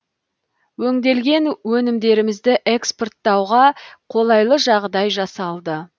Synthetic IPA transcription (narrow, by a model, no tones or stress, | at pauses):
wɵŋd̪e̞lɡʲe̞nwɵnɪmd̪e̞ɾɪmɪzd̪ɪʔeksport̪ːɑwʁɑqʰo̞lˠɑjlˠəʒɑʁd̪ɑjʒɑsɑlˠd̪ə